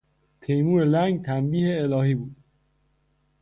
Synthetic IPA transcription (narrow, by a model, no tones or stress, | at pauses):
t̪ʰejmuːɾelæŋɡt̪ʰæmbiːheːlɒːɦiːbuːd̪̥̚